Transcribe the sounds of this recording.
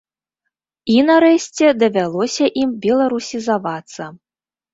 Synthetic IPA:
inɐɾɛɕʲt͡sʲɛd̪ɐvʲalˠɔsʲɐʔimbʲɛlˠaɾusʲizavat̪sːɐ

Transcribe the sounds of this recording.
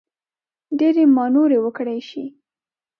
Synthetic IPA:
ɖeɾemɑnoɾewəkɽajʃi

